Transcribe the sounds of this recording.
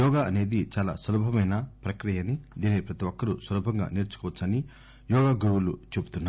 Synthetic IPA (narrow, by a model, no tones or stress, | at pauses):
jɔːɡaːʔɐne̞ːd̪it͡ʃaːla̰ːsɐlubʱɐmɐjnɐpɾɐkɾijɐnid̪iːnipɾɐt̪iʋɔkːɐɾusʋɐlubʱɐŋɡa̰ːniːɾt͡ʃu̥kɔʋɐt͡ʃːɐni | jɔːɡaːɡɾuwulut͡ʃe̞but̪unːa